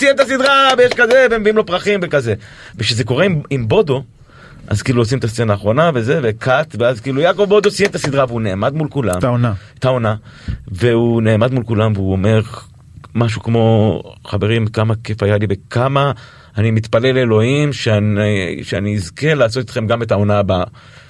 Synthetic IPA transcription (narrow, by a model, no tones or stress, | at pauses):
t̪ijent̪asid̪ʁavejeʃkaze̞veemviimlo̞pʁaχimvekaze̞ | vekʃezeko̞ʁeimimbo̞do̞ | ʔa̰zkiːluosimet̪ast͡senaːχʁo̞nave̞ze̞vekʰatveazkiːlujakovbo̞d̪osijent̪asid̪ʁaveuneːmad̪mulkula̰mona | t̪aona | ve̞une̞ːmad̪mulkulamveuome̞ʁ | maʃ̬ukmo̞χave̞ʁimkamakefajalibekʰamaː | nimit̪pale̞lelo̞imʃeanʃeaniːzke̞laːso̞t̪it̪χe̞mɡame̞taonaːba